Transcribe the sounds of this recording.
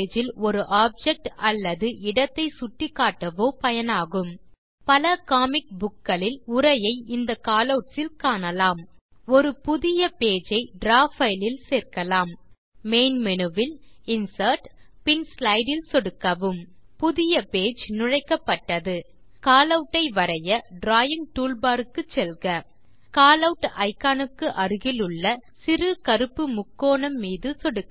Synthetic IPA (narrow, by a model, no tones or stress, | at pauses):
d͡ʒɪlɔɾɯʔaːb̚d͡ʒɛk̚ʈɐlːɐðɯʔɪɽɐt̪ːɐɪsʊʈːɪkːaːʈːɐʋoːpɐjɐnaːɣɯm | pɐlɐkaːmɪk̚bʊkːɐɭɪlʊɾɐjɐɪɪnd̪ɐkaːlɐʋʈsɪlkaːnɐlaːm | ɔɾɯpʊðɪjɐpeːd͡ʒɐɪɖɾaːfɐɪlɪlseːɾkɐlaːmː | eːnmɛnɯʋɪlɪnsɐɾʈ | pɪnslɐɪɖɪlsɔɽɯkːɐʋɯmpʊðɪjɐpeːd͡ʒnʊɻɐɪkːɐpːɐʈːɐðɯ | kaːlɐʋʈːɐɪʋɐɾɐjɐɖɾaːjɪŋʈuːlbaːɾɯkːɯt͡ʃːɛlɣɐ | kaːlɐʊʈːʔɐɪkːaːnɯkːɯʔɐɾɯɣɪlɯɭːɐsɪɾɯkɐɾɯpːɯmʊkːoːɳɐmːiːðɯsɔɽɯkː